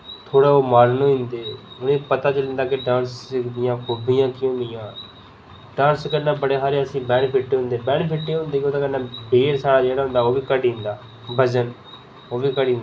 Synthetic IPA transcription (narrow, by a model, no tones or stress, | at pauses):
t̪ʰoːɽaːoːmaːɾnõːɪ̃nd̪eːʊnẽːpət̪aːt͡ʃəlɪ̃nd̪aːkɪɖãːnsd̪ɪjãːkʰʊbijãːkiʊ̃nd̪ɪjãː | ɖãːnskənaːbəɽeːɦaːɾeːəsĩːbɛ̃ːɳpʰɪʈːeːɦʊ̃nd̪eːbɛ̃ːnpʰɪʈːeːɦʊ̃nd̪eːkoːt̪ãkənãːbeːɾsaːɽaːd͡ʒeːɽaːɦʊ̃nd̪aːoːbiːkəɽiːʊ̃nd̪aː | bəd͡ʒən | oːbiːkəɽin